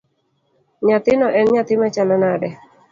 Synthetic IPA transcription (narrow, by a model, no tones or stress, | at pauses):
ɲat̪ɪnɔʔɛnɲat̪ɪmat͡ʃalɔnadɛ